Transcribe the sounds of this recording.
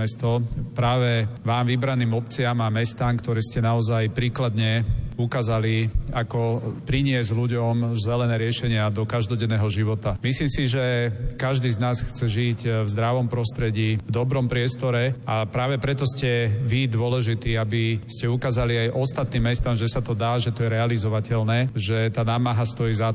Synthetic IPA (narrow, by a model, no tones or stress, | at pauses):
ɛst̪ɔpɾaːʋɛʋaːmʋibɾaniːmɔp̚t͡siamamɛst̪aːmkt̪ɔɾɛːscɛnaɔzajpɾiːklad̪ɲɛukaːzaliakɔpɾiɲɪɛzɟluɟɔmzɛlɛnɛːɾɪɛʃɛɲɪad̪ɔkaʒd̪ɔɟɛnːɛɦɔʒiʋɔt̪amisliːmsiʒɛkaʒd̪iːznaːsxt͡sɛʒicvzd̪ɾaʋɔmpɾɔst̪ɾɛɟiːvd̪ɔbɾɔmpɾɪɛst̪ɔɾɛapɾaːʋɛpɾɛt̪ɔscɛʋid̪ʊɔlɛʒit̪iːabiscɛukaːzaliajʔɔst̪at̪niːmːɛst̪amʒɛsat̪ɔd̪aːʒɛt̪ɔjɛɾɛalizɔʋacɛʎnɛːʒɛt̪aːnaːmaɦast̪ɔjiːza